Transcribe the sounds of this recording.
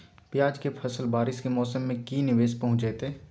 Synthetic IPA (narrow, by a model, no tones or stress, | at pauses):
pjaːd͡ʒkepʰɐsəlbaːɾɪskemɔːsəmːẽkinɪʋeːʃpɐɦʊ̃t͡ʃɛːt̪eː